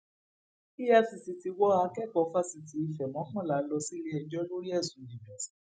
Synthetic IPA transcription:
i˦ja˦fi˨si˨ti˧wɔ˦a˧˦kɛ˦˨k͡pɔ˨˦fa˦si˧ti˨i˧fɛ˨mɔ̃˨˦kɔ̃˦˨la˨˦lɔ˧si˦li˦ɛ˧d͡ʒɔ˦lo˦ɾi˦ɛ˦˨sũ˨˦nĩ˨vɛ˨˦si̥˦˨˦

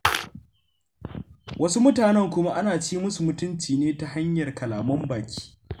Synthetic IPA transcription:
wʔɐ˦su˦mʊ˦taː˨nɛ˦˨ŋkʷʊ˦ma˦ʔa˦naː˨t͡ʃiː˦mʊ˦su˨mʊ˦tʊ˦nt͡ʃiː˨neː˦ta˦ɦa˦ɲjɐ˨rkɐ˨laː˨mɐ˦mbaː˨kʲi̥ː˦

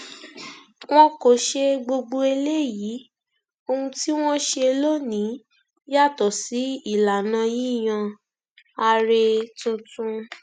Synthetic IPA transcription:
w̃ɔ̃˦ko˨ʃe˧ɡ͡bo˧ɡ͡bo˧e˧le˦˨ji˨˦ | o˧hũ˧ti˦w̃ɔ̃˦ʃe˧lo˦nĩ˨˦ | ja˦˨tɔ˨si˨˦i˦˨la˨nã˧ji˦˨j̃ã˧ | a˧ɾe˧tũ˧tũ˧

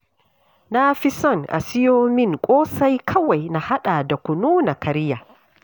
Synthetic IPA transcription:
nafi˦sɔ˦˨nʔa̰˨si˦joː˦mi˦ŋkʷʼɔː˦sa˦jkʰɐ˦wa˨jna˨ha˦ɗa˨da˨ku˨nuː˦na˨ka˨ɾi˦ja˨

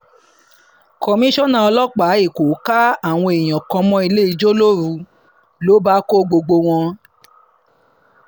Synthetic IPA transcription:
ko˨mĩ˦ʃɔ̃˦˨nã˧˦ɔ˧lɔ˦k͡pa˨˦i˦˨ko˨˦ka˦a˦˨w̃ɔ̃˧e˨j̃ɔ̃˨kɔ̃˧mɔ̃˧˦i˧le˦i˧d͡ʒo˦lo˦ɾũ˨˧˦ | lo˨˦ba˦ko˦ɡ͡bo˧ɡ͡bo˧w̃ɔ̃˧

